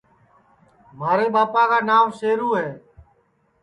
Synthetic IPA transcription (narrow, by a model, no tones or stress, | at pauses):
maːɾeːɓaːpaːkaːnaːmseːɾuːɦeː